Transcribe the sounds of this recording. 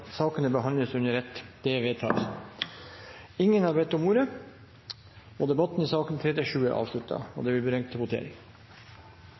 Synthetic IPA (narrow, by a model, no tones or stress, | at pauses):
sɑːkənəbəɦɑnləsʉnəɾɛt̪ːd̪̥ɛʋeːt̪ʰɑ̰ːlsn | ɪŋːənhɑːɾbɛt̪ːɔmuːɾə | ɔd̪ɛbɑt̪n̩iːsɑːkənt̪ʰɾɛt̪ɪʂʉːəʔɑ̰ːʋʂɭʉt̪ʰːɑ̰ɔ̰d̪ɛbɪlbɾɛŋt̪ʰːɛbʊt̪ʰḛːɾɪ̰ŋ